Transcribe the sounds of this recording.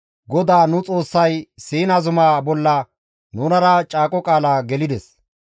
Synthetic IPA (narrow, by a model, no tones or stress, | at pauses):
ɡɔd̪aːnʊt͡sʼo̞ːsːɐjsiːnɐzʊmaːbɔlːɐ | nʊnɐɾɐt͡ʃʼaːkʼɔkʼaːlaːɡɛlɪd̪ɛs